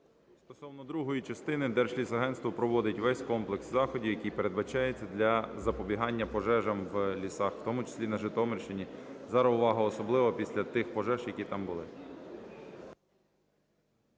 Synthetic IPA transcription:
st̪ɔsɔwnɔd̪ɾuɦɔjit͡ʃɐst̪ɪnɪd̪ɛrʃlʲisɐɦɛnst̪ʋɐpɾɔʋɔd̪ɪtʲʋɛsʲkɔmplˠekszɑxɔdʲijɐkʲijpeɾe̞d̪bɐt͡ʃɑjet͡sʲːɐd̪lʲɐzɐpɔbʲiɦɑnʲːɐpɔʒɛʒɐmʋlʲisɑxw̥t̪ɔmʊt͡ʃɪ̥sʲlʲinɐʒɪt̪ɔmerʲʃt͡ʃɪnʲizɐɾɔʋɑɦɐːsɔblˠɪʋɔpʲisʲlʲɐt̪ɪxpɔʒɛʒjɐkʲit̪ɑmbʊlˠɪ

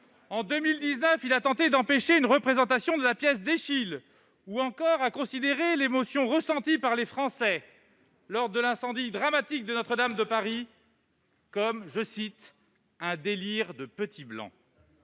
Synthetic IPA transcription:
ɑ̃d̪ømild̪iznœfilat̪ɑ̃t̪ed̪ɑ̃peʃeynʁəpχezɑ̃t̪asjɔ̃d̪əlapjɛs̬d̪eʃil | uɑ̃kɔʁakɔ̃sid̪eʁelemosjɔ̃ʁəsɑ̃t̪ipaʁlefχɑ̃sɛ | lɔʁd̪əlɛ̃sɑ̃d̪id̪ʁamat̪ik̚d̪ənɔt̪χəd̪amd̪əpaʁi | kɔmʒəsit̪ | ɛ̃d̪eliʁd̪əpət̪ʰiblɑ̰̃

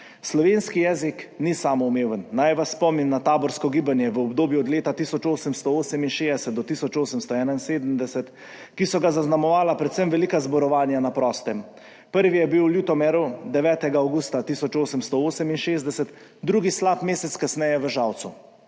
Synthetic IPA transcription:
slɔʋenskijɛːziknisaːmɔumeːʋənːajʋasːpɔmnimnat̪aːbɔɾskɔɡiːbanjɛʋəɔbd̪oːbjuɔd̪leːt̪at̪isɔt͡ʃoːsəmst̪ɔoːsəminʃeːd̪ɛsɛt̪̚d̪ɔt̪isɔt͡ʃoːsəmst̪ɔɛːnainseːd̪əmd̪ɛsɛt̪ | kisɔɡazaznamɔʋaːlapɾɛt̪səmʋɛliːkazbɔɾɔʋaːnjanapɾɔːst̪ɛm | pəɾʋijɛbiwljuːt̪ɔmɛɾud̪ɛʋɛːt̪ɛɡaawɡust̪at̪iːsɔt͡ʃoːsəmst̪ɔoːsəminʃeːzd̪ɛsɛt̪ | d̪ɾuːɡislaːpmeːsɛt̪skasnɛjɛʋəʒawt̪su

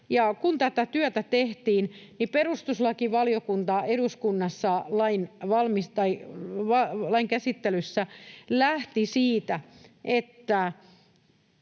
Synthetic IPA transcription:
jɑkunt̪æt̪æt̪yøt̪æt̪eht̪iːnniperust̪uslɑkiʋɑlijokunt̪ɑeɾuskunːɑsːɑlɑinʋɑlmist̪ɑiʋɑlɑiŋkæsit̪ːelysːælæht̪isiːt̪æʔet̪ːæ

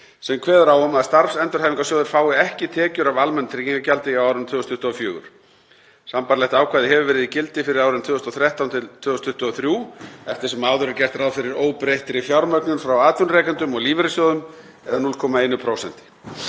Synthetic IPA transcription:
sɛmkʰvɛːðʏɾaːwʏmaðst̪aɾfsɛnt̪ʏɾ̥hajviŋkasjoːwðɪɾ̥faːwɪɛhcɪt̪ʰɛːcʏɾavalmɛnt̪ʰɾiciŋkacalt̪ɪiaːwɾɪmt̪ʰʏːɣɔst̪ʰʏht̪ʏɔfjʏːɣʏ̰ɾ̥ | sampaɾlɛht̪aːwkʰaːðɪhɛvʏvɛːɾɪðicɪlt̪ɪfɪɾɪɾaːwɾɪnt̪ʰvʏːðst̪ɔθɾjɛht̪awnt̪ʰɪlt̪ʰv̥ʏːðʏst̪ʰʏht̪ʏɔθɾjuːɛft̪ɪ̥ɾ̥sɛmaːwðʏɾɪɾcɛr̥t̪ɾaðfɪɾɪɾoːwpɾejht̪ɪɾɪfjawɾmœknʏnfɾawaːt̪vʏnrɛːkant̪ʏmɔɣliːvɪɾɪsjoːwðʏm | ɛðanuːlkʰɔːmaeːjnʏpʰɾoːwsɛ̰nt̪ɪ̥

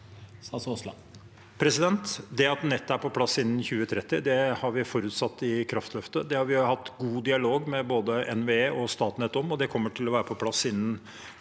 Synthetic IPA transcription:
st̪ɑsoslɑ̰ | pʰɾɛsɪd̪ɛnt̪d̪ɛɑt̪nɛt̪ːæɾpɔpʰlɑsɪnːnçʉːət̪ʰɾɛt̪ːɪd̪ɛhɑɾʋɪfɔɾʉːt̪sɑt̪ːɪkʰɾɑft̪ʰlœft̪əd̪ɛhɑɾʋɪhɑt̪ːɡuːd̪ɪɑloːɡmɛboːd̪əʔɛnʋeeːʔɔst̪ɑːt̪nɛt̪ːɔmɔd̪ɛkʰɔmːəʈʰɪlɔʋæːɾəpʰɔpʰlɑsːɪnːən

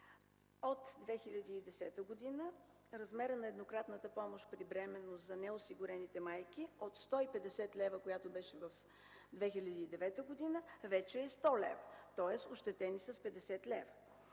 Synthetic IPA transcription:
ot̪d̪vɛxiʎʲɐd̪iːd̪ɛsɛt̪əɡod̪inə | ɾɐzmɛɾənɐɛd̪nokɾat̪nət̪əpɔmoʃt̪pɾibɾɛmɛnːozɐnɛʊsiɡʊɾɛnit̪ɛmajk̟iot̪st̪ɔipɛd̪ɛsɛt̪lɛvəkojat̪obɛʃɛvɐf | d̪vɛxilʲɐd̪iːd̪ɛvɛt̪əɡod̪inəvɛt͡ʃɛːst̪ɔlɛ̰vət̪ɔɛsoʃt̪ɛt̪ɛnisəspɛd̪ɛsɛt̪lɛvə

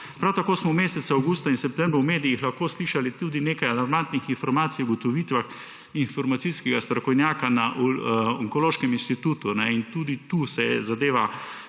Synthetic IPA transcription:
pɾawt̪akoːsmɔmeːsɛt̪saawɡuːst̪ainsɛp̚t̪ɛmbɾʊwmeːd̪iixlɐxkoːsliːʃalit̪uːd̪ineːkajalaɾmant̪nixinfɔɾmaːt̪sijɔɡɔt̪ɔʋiːt̪ʋax | infɔɾmat̪siskɛɡast̪ɾɔkɔwnjaːkanaʔɔŋkɔloːʃkɛminʃt̪it̪uːt̪unɛint̪uːd̪it̪uːsɛzad̪eːʋa

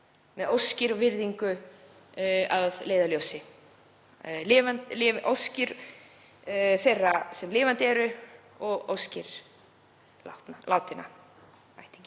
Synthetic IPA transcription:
mɛðowscɪɾɔɣvɪɾðiŋkʏ | aðleːjðaljowsɪ | lɪːvant̪lɪvʔo̰wscɪɾ | θejrːasɛmlɪːvant̪ɪɛɾʏ | ɔɣo̰wscɪɾ̥ | latnalaːwt̪ɪna̰ | a̰jht̪i̥ɲcɪ

